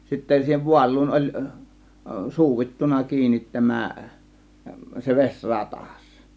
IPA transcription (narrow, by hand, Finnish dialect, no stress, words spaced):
sitːæ siːheʋ ʋuɑlˑuːn olʲ suːitːunɑ kiːnit tæmæ se ʋesʲ rɑtɑs